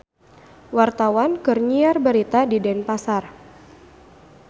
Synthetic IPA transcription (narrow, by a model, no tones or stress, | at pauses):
wart̪awankɨrɲiarbəɾit̪adidɛnpasar